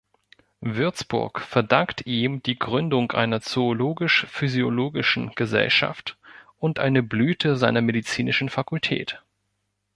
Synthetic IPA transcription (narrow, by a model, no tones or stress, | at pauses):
vʏɐt͡sb̥ʊ̰ɐkfɛɐdaŋktʔiːmd̥iːɡʁʏndʊŋʔa̰ɪnɐt͡soːloːɡɪʃfyzioloːɡɪʃn̩ɡ̥əzɛ̰lʃa̰ftʔʊntʔa̰ɪnəblyːtʰəzaɪnɐmedit͡siːnɪʃn̩fakʰʊltʰɛ̰ːt